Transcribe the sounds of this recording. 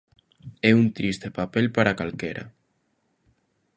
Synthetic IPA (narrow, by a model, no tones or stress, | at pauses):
eunt̪ɾist̪epapelpaɾakalkeɾʔa̰